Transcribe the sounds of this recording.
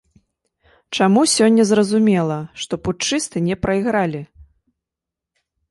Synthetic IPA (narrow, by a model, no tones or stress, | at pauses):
t͡ʂamusʲɔnʲːɐzrɐzumʲɛlˠɐʂt̪ɔput͡ʂɨst̪ɨnʲɛpɾɐiɣɾalʲi